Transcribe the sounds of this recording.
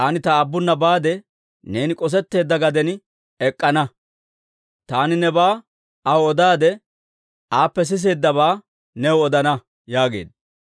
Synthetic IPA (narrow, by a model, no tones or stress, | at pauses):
ʔɐnɪt̪ɐːbːʊnːɐbaːd̪ɛ | ne̞ːnɪkʼɔs̬ɛt̪ːe̞ːd̪ːɐɡɐd̪ɛn | ɛkʼːɐnɐ | t̪aːnɪnɛbaː | ɐwɔd̪aːd̪ɛ | ʔaːpːɛs̬ɪs̬e̞ːd̪ːɐβaː | nɛwɔd̪ɐnɐ | jaːɡe̞̰ːd̪ɐ